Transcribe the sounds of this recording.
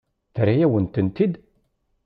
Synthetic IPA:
θɾajæwənt̪ənt̪id̪

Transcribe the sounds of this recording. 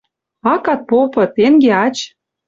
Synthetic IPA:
ɑkɑt̪̚popɤ̆t̪eŋɡeɑt͡ɕ

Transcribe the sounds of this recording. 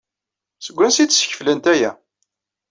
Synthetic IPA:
səɡʷːænsit͡s̪ːsə̥çə̥flənt̪æjæ̰

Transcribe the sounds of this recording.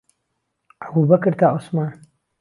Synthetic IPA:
ʔɐbubɐkɨɾt̪ʰaːʔosmaːn

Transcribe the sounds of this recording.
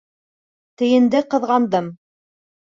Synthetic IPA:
t̪ɘ̆jɘ̆nd̪ɘqɤ̆ðʁɑnd̪ɤm

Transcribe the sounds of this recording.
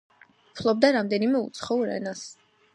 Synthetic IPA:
pʰlˠɔbd̪aɾamd̪ɛnimɛṵt̪sʰχɔuɾɛ̰nas

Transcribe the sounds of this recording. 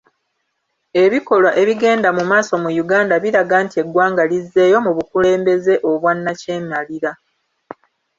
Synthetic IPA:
e̞βiko̞lwaʔe̞βiɡe̞ːndamumaːso̞mujuɡaːndaβiɾaɡaːntie̞ɡwaːŋɡalizːe̞ːjo̞muβukule̞ːmbe̞ze̞ʔo̞βwanːace̞ːmaliɾa

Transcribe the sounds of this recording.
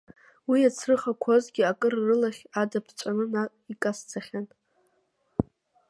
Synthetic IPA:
wiat͡sʰrɨχakʷʰo̞zɡʲiakʼɨrːɨlaχʲadapʰt͡ʃʷʼanɨna | ikʼast͡sʰaχʲan

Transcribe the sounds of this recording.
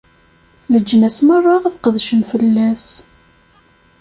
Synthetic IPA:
ləd͡ʒːənæsmərˤːɑʁæθqəðʃənfəlːæs

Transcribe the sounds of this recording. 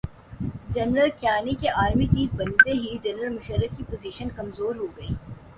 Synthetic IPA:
d͡ʒɐnɾəlkjaːnikeʔaːɾmit͡ʃiːz̚bɐ̃nd̪eɦid͡ʒɐnɾəlmʊʃəɾːəkkipoːziːʃənkɐmzoːɾɦoɡɐiː

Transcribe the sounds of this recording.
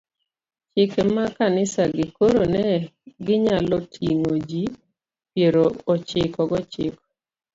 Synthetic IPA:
t͡ʃɪkɛmakanɪsaɡɪkoɾonɛɡɪɲalɔtʰiŋod͡ʒi | pjeɾoːt͡ʃɪkɔɡɔt͡ʃɪkɔ̥

